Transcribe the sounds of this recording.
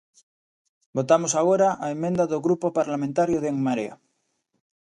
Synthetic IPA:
bot̪amosaɣoɾaʔaemẽnd̪aðoɣɾupopaɾlamẽnt̪aɾjoðeŋmaɾea̰

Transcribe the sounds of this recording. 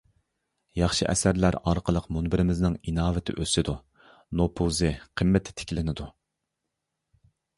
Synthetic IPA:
jɑχʃɨʔɛ̰sæɾlæɾɑɾqʰəlˠəqmunbɪɾɪmɪznɪŋinɑːvɪt̪ʰɪ̰ʔøsɪd̪u | nopʰuzɨqʰəmːɪt̪ʰːɪ̥t̪ʰɪ̥kʲlɪnɪd̪u

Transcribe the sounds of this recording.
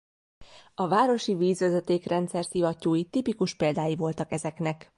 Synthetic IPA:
ɒvaːɾo̞ʃiviːzʋøzøt̪eːkrɛnt̪sɛrsivɒcːuːjit̪ipikuʃpeːld̪aːjivo̞lt̪ɒkɛzɛknɛk

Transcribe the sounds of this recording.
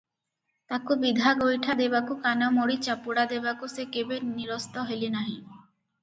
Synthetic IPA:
t̪akobid̪ʱaɡojʈʰad̪ebakukanamoɽit͡ɕapuɽad̪ebakusekebeniɾost̪ɔɦelinaɦĩ

